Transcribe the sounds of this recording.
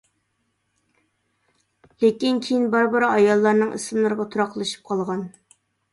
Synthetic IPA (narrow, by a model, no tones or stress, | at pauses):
lekʲinkʲʰejinbɑɾbɨɾɨɑjɑlˠːɑɾnɨŋɨ̰sɨmlˠɨɾʁɑt̪ʰuɾɑqlˠɨʃi̥p̚qʰɑlˠʁɑn